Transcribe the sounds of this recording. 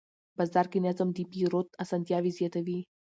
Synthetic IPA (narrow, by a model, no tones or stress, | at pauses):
bɐzd̪aɾkinɛzəmd̪ipiɾot̪asɐnt̪javizjet̪əvi